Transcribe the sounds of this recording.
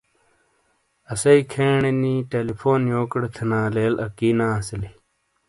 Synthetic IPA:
ɐsɐikʰeːɳeniːʈeːlipʰoːnjoːkɽt̪ʰɐnãːleːlɐ̰kiːnãːɐsɐli

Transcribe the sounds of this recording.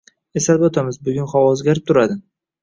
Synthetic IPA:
esalbɒt̪ʰamɪzbʊɡʲʊnχɒwɒzɡʲaɾɪp̚t̪ʰʊɾad̪ɪ

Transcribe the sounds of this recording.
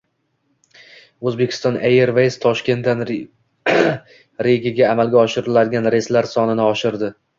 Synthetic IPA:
ɵzbe̞kʲʰɪ̥st̪ɒnʔejeɾvejst̪ʰɒʃkʲe̞nt̪dan | ɾeɡʲɪɡʲaːmalˠɡʲaɒʃɪɾɪlad̪ɪɡʲanɾe̞st̪laɾsɒnɪnɪɒʃɪɾd̪ɪ

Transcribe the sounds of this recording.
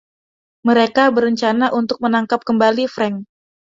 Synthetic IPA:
məɾekabəɾəɲt͡ʃanaʔunt̪ʊk̚mənaŋkap̚kəmbalifɾɛŋ

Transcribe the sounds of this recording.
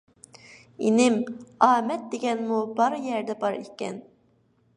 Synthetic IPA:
inɪmɑːmɛt̪̚d̪eɡʲɛnmubɑɾjɛɾd̪ɛbɑɾikʲːɛ̰n

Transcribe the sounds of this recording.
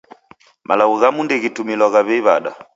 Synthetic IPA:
mʔalaɣuɣamundɛɣitumilɔɣaβɛβaɗa̰

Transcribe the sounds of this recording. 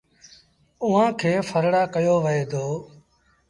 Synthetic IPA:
ʊɦãːkʰeːfʰəɾɽaːkəjoːʋəeːd̪oː

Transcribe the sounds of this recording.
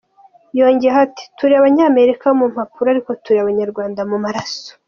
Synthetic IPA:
jo̞ːɲɟeati̥tuɾiaβaɲaːme̞ɾikaomum̥hapuɾaɾiko̞tuɾiaβaɲaɾɡwaːndamumaɾaso̥

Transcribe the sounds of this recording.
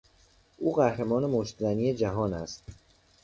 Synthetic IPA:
ʔuːɢæhɾemɒːnemoʃt̪zæniːjed͡ʒæɦɒːnæst̪̚

